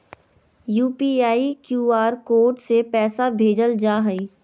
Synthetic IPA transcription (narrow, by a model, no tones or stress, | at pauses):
juːpiːaːikjuːaːɾkoːʈsepɛːsabʱeːd͡ʒəld͡ʒaːɦəiː